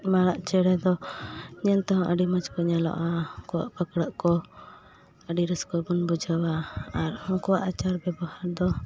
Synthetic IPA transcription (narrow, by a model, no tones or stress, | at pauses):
maɽaʔt͡ʃɛɽɛd̪ɔɲɛlt̪aɦɔ̃ʔəɖimat͡ʃkɔɲalɔ̰ʔaɔŋkɔwa̰ʔpəkɽəʔkɔ | əɖiɾəskɔbunbud͡ʒawaaɾɔŋkɔwaʔat͡ʃaɾbɛbɔhaɾd̪ɔ